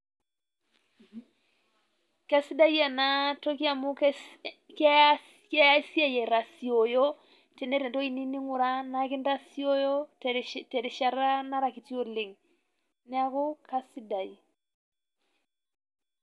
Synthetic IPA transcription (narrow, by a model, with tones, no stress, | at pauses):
ka˦si˦da˦i˦a˨na˦tɔ˦ki˦a˨mu˦k | ka˦ | kja˦ja˦si˦a˦jɛ˨ɾa˨si˨ɔ˨jɔ˦ | tɛ˨nɛ˦ɾɛ˨ndɔ˦i˦ni˦ni˦ŋʊ˨ɾa˦na˦kɪ˦nda˦si˦ɔ˦jɔ˦tɛ˨ɾɛ˨ʃa˨ɾa˦na˦ɾa˨ki˨ti˦o˨lɪ˨ŋ | nɪ˦a˦ko˦ka˦si˦da˨i˨